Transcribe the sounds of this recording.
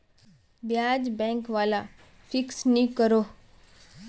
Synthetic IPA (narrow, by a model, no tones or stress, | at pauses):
bjaːd͡ʒbɛ̃ːŋkʋaːla | fʰɪksnĩkəɾoː